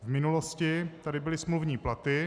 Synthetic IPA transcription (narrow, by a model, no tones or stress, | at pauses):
vmɪnuloscɪt̪adɪbɪlɪsmluvɲiːplat̪ɪ